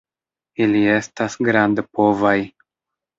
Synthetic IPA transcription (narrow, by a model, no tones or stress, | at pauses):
ilie̞stasɡɾandpo̞vaj